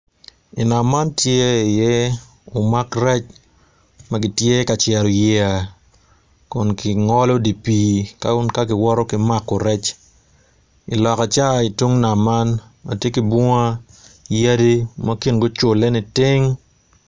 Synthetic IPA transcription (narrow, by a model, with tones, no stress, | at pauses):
i˨na˨ma˦ntje˦i˨jɛ˦ | o˨ma˦krɛ˦t͡ʃ | maɡɪ˦tje˦ka˨t͡ʃɛ˨ɾɔ˨jɛ˦a˨ | kʊ˨nkɪ˨ŋɔ˦lɔ˦di˨pi˨ka˦u˦nka˦ɡɪ˨wɔ˦ɾɔ˦kɪ˨ma˦kːo˨ɾɛ˦t͡ʃ | i˨lɔ˨ka˨t͡ʃa˦i˨twu˦ŋna˨ma˦nma̰˨tje˦ki˨bɔ˦a˦ja˦di˦ma˦ki˦nɡʊ˦t͡ʃo˨lɛ˦nɪ˨tɪ˦ŋ